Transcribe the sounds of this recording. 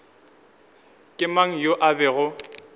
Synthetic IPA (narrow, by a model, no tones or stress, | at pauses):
kʼɪmaŋ̩joʔabɛɣʊ